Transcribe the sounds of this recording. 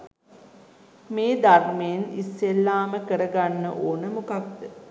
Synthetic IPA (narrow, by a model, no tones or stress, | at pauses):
meːd̪armejenḭsːelːaːməkəɾəɡanːə̰ʔoːnəmukak̚d̪ə